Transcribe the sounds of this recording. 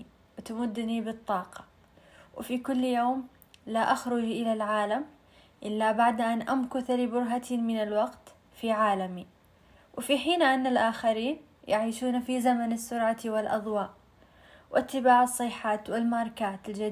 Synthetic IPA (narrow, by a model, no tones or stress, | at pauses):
wɪt̪amʊd̪ːnibɨt̪ˤːɑːqɑ̥ | wɪfikʊlːjoːm | laʔaxɾʊd͡ʒʔɪlalʕaːlam | ʔɪlːabaʕd̪ʔanʔamkʊθlibʊɾɦat̪imɪnalwɑɡt̪ | fiʕaːlami | wfiħiːnʔanːalʔaːxaɾiːn | jaʕiːʃuːnafizamanasːʊɾʕat̪iwɪlʔɑ̰d̪ˤwɑːʔ | wʔat̪ːɪbaːʕɑsˤːɨħaːt̪wɪlmɑɾˤkaːt̪ɪld͡ʒa